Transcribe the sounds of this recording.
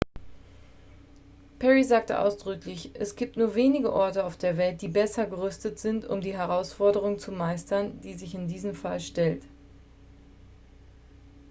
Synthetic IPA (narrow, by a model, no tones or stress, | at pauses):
pʰɛʁizaːk̚tə̰ʔa̰ʊsd̥ʁʏklɪçʔɛsɡ̥iːp̚tnuːɐveːnɪɡəʔɔɐtəaʊfd̥eːɐvɛlt̚d̥iːbɛsɐɡəʁʏstətz̥ɪntʊ̰mdiːɦɛʁaʊsfɔɐdəʁ̞ʊŋt͡sumaɪstɐnd̥iːzɪçɪndiːzəmfalʃtɛlt